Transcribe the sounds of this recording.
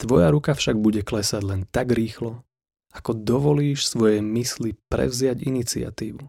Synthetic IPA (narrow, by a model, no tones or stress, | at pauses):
t̪ʋɔjaɾukafʃaɡ̚buɟɛklɛsaɟlɛnt̪aɡɾiːxlɔ | akɔd̪ɔʋɔliːʃsʋɔjɛmislipɾɛ̰ʊzɪaɟinit͡sia̰t̪iːʋu